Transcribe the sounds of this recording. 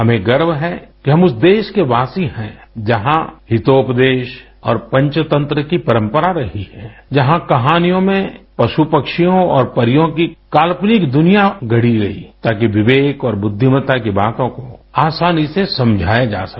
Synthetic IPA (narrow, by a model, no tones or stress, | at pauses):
ɦɐmẽɡɐɾbɦɛkiɦɐmʊsd̪eːʃkeʋaːsihɛ̃d͡ʒɐɦãɦɪt̪oːpd̪eːʃ | ɔːɾpɐ̃ɲt͡ʃət̪ə̃nt̪ɾəkipɐɾə̃mpəɾaɾɐɦihɛ̰̃d͡ʒɐɦãkɐɦaːnijõmẽpɐʃupɐkʃijõɔːɾpɐɾɪjõkikaːlpnɪkd̪ʊnijaɡʱɐɽiɾɐɦḭt̪aːkiʋɪʋeːkɔːɾbʊd̪ʱːɪmət̪akibaːt̪õkoaːsaːnisesɐ̃md͡ʒʱaːjed͡ʒa̰ːsɐ